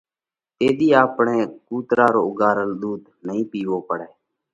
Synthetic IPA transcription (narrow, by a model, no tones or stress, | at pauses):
t̪eːd̪iːaːpɳeːkuːt̪ɾaːɾoːʊɡaːɾəlɗ̪uːd̪ | nəɦĩːpiːʋoːpəɽɛː